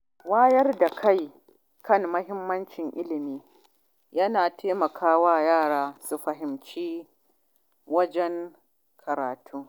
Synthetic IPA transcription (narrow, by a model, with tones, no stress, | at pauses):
waː˦jɐ˦rda˨kʰa˦˨j | kɐ˦˨ŋmɐ˦ɦɪ˦mːɐ˦nt͡ʃɪ˨ŋʔɪ˦lɪ˨miː˦ | jɐ˦naː˨tʰeː˦mɐ˨kʰaː˦waː˦jaː˦˨ɽaː˨su˨ɸɐ˨ɦɪ˨mt͡ʃiː˦ | wɐ˦d͡ʒɛ˦ŋ | kʰɐ˨ɾaː˨tʰuː˦